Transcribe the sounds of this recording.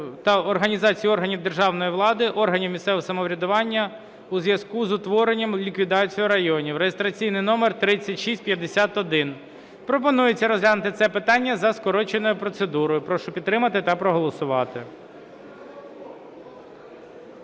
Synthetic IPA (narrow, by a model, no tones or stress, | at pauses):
t̪ɐɔrɦɐnʲizɑt͡sʲijiɔrɦɐnʲiwd̪e̞rʒɑwnɔjiʋlˠɑd̪ɪʔɔrɦɐnʲiwmʲisɛʋsɐmɔʋɾʲɐd̪ʊʋɑnʲːɐ | uzʋjɐskuzʊt̪ʋɔɾenʲːɐmlʲikʋʲid̪ɑt͡sʲijʊɾɐjɔnʲiwɾejest̪ɾɐt͡sʲijnɪjnɔmert̪ɾɪt͡sʲːɐtʲʃisʲt̚ʲpʲjɐd̪esʲat̪ɔd̪ɪn | pɾɔpɔnujet͡sʲːɐɾɔzɦlʲanʊt̪ɪt̪sɛpɪt̪ɑnʲːɐzɐskɔɾɔt͡ʃenɔjʊpɾɔt̪sed̪uɾɔjʊpɾɔʃɔpʲit̪t̪ːɾɪmɐt̪ɪt̪ɐpɾɔɦɔlˠɔsʊʋɑt̪ɪ